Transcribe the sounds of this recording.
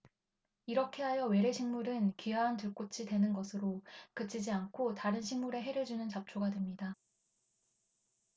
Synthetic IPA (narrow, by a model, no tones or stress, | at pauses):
iɾʌkʰe̞ɦajʌwe̞ɾe̞ɕʰiŋmuɾɯnkiɦantɯɭk͈ot͡ɕʰidwe̞nɯnɡʌsʰɯɾokɯt͡ɕʰid͡ʑiankʰotaɾɯnɕʰiŋmuɾe̞ɦe̞ɾjʌɭd͡ʑunɯnt͡ɕap̚t͡ɕʰoɡadwemɲida